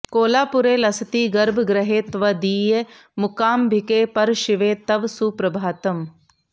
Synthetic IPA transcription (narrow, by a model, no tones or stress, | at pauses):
koːlaːpʊɾeːlɐsət̪iːɡɐɾbʱɡɾɐɦeːt̪ʋɐd̪iːje | mʊkaːmbʱɪkeːpɐɾʃɪʋeːt̪ɐʋsuːpɾɐbʱaːt̪ɐm